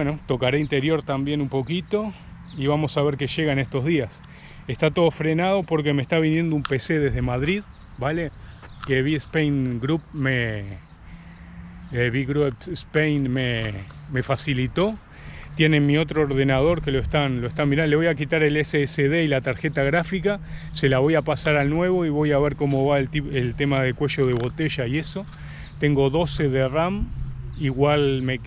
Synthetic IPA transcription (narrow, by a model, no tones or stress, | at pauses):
bweno̞t̪o̞kaɾeint̪e̞ɾjo̞ɾt̪ambje̞numpo̞kit̪o̞ | iβamo̞saβe̞ɾke̞ʃe̞ɣane̞st̪o̞ɦðias | est̪at̪o̞ðofɾe̞nað̞o̞po̞ɾk̬e̞mest̪aβ̞injend̪oumpe̞se̞ðe̞ɦðe̞maðɾið | balekeβiespejnɡɾup̚me | βiɣɾupespejnmeme̞fasilit̪o̞ | t̪je̞nemio̞t̪ɾoːɾðe̞nað̞o̞ɾke̞loest̪anloest̪amiɾãole̞βo̞jakit̪aɾe̞leseeseð̞e̞ilat̪aɾxe̞t̪aɣɾafika | se̞laβo̞japasaɾalnwe̞βo̞iβo̞jaβe̞ɾko̞mo̞βaeielt̪e̞mað̞e̞kweʃo̞ð̞e̞β̞o̞t̪e̞ʒaie̞so̞ | t̪e̞ŋɡo̞ðo̞se̞ðeramiɣwalme